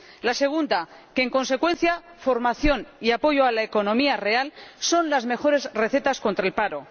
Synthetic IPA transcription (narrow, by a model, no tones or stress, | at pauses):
lase̞ɣ̞und̪ake̞ːŋko̞nse̞kwe̞nθja | fo̞ɾmaθjo̞niapo̞ʝoalaeko̞nõ̞miare̞also̞nlazme̞xo̞ɾe̞zre̞θe̞t̪asko̞nt̪ɾaelpaɾo̞